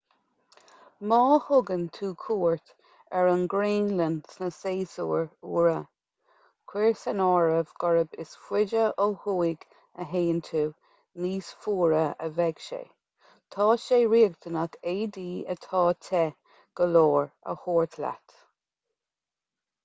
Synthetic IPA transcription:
mɑːhʊɡənt̪ʰuːkʰuːɹt̪ | ɛɹənɡɹeːnlənsnəseːsuːɹuːɹə | kʰw̥ɪɹsɛnɔːɹəvɡ̥ɔɹəbɪsfwɪd͡ʒəʔohuːɪɡ | əɦeːənt̪ʰuː | niːsfuːɹəəvɛɡ̥ʃḛː | t̪ʰɑːʃeːɹiːɡt̪ʰənat̪ʰeːd̪iːə̰t̪ʰɑːt̪ʰɛ | ɡ̥əloːɹə̰hoːɹt̪ʰla̰t̪

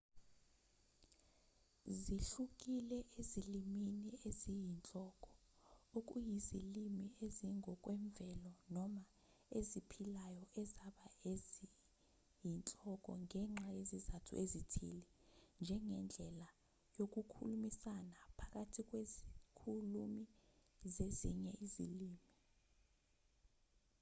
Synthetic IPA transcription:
ziɬuk̬ʼilɛʔeziliminiezijint͡ɬʼɔk̬ʼɔ̥ | ok̬ʼṵjizilimieziŋɔk̬ʼwɛɱb̪vɛlɔnɔma | ezipʰilajɔʔɛzaɓaezi | jint͡ɬʼɔk̬ʼɔ̰ŋɛŋ͡ǁajezizatʰṵʔezitʰḭlɛnd͡ʒʱɛŋɛnd͡ɮʱɛla | jok̬ʼukʰulumisanapʰak̬ʼatʰik̬ʼwezikʰulumizeziɲɛʔizḭliːmi

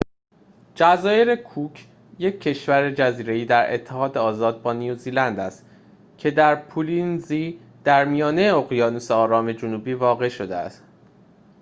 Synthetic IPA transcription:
d͡ʒæzɒːje̞ɾe̞kʰucʰ | je̞cʰːe̞ʃvæɾe̞d͡ʒæziːɾe̞iːd̪æɾe̞̰t̪ʰːe̞ɦɒːd̪eɒːzɒːd̪̚bɒːnijuziːlænd̪æst̪ | cʰe̞d̪æɾpʰulinziː | d̪̥æɾmijɒːneoɣjɒːnuseɒːɾɒːme̞d͡ʒunuːbiːvɒːɣe̞ʃo̞d̪eæ̰st̪

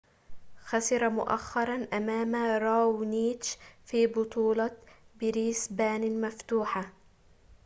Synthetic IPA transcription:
xasɪɾˤɑmʊ̰ʔa̰xːɑɾˤɑnʔamaːmaɾˤɑwniːt͡ʃfiːbʊt̪ˤuːlɑbɪɾiːsbaːnmaft̪uːħa

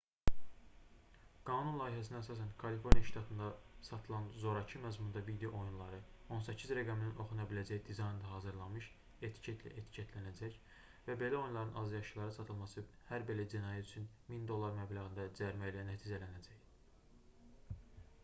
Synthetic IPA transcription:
ɡ̥ɑːnunlˠɑːjiɦæs̬inæsɑːsænkʰɑlifo̞ɾnijɑʃt̪ʰɑt̪ʰɯnd̪ɑsɑt̪ʰɯlˠɑnzo̞ɾɑcʰɯmæzmund̪ɑvid̪ejo̞ʔo̞junlˠɑɾɯo̞nsæcʰizɾæɡæmininʔo̞χunɑbilæd͡ʒæjid̪izɑjnd̪ɑɦɑːzɯɾlˠɑnmɯʃ | e̞t̪ʰi̥cʰet̪ʰlæ̰ʔe̞t̪ʰi̥cʰet̪ʰlænæd͡ʒæç | væbe̞læo̞junlˠɑɾɯnʔɑzjɑʃɯlˠɑɾɯsɑt̪ʰɯlˠmɑsɯ | hæɾbe̞læd͡ʒinɑːjæt̪ʰyt͡ʃʰyn | mind̪o̞lˠːɑɾmæblæɣɯnd̪æd͡ʒæɾmæilænæt̪ʰiːd͡ʒælænæd͡ʒæç

